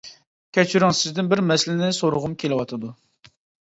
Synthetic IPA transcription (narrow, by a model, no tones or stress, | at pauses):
kʲʰɛt͡ʃʰyɾɪŋsɪzd̪ɪnbɪɾmɛslɪnɪsoɾʊʁʊmkʲʰelɪwɑt̪ʰɨd̪u